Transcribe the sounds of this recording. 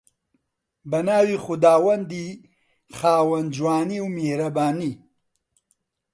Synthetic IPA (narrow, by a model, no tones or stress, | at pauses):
bɐnaːwiːxʊd̪aːwɐnd̪i | xaːwɐnd͡ʒwaːniwmeːɾɐbaːni